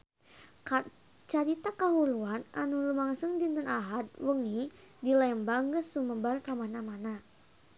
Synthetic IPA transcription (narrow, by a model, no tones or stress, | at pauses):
k | t͡ʃaɾit̪akaɦuɾuananulumaŋsuŋdint̪ənaɦat̪̚wəŋidilaəmbaŋɡəsuməbarkamanamana